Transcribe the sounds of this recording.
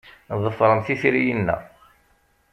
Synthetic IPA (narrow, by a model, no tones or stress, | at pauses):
ðˤəfɾˤəmθiθiɾijənːæ̰